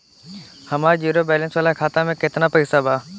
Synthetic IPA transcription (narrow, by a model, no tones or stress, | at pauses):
həmaːɾd͡ʒiːɾoːbɛːlənsʋaːlaːkʰaːt̪amẽkɪt̪naːpəɪsaːbaː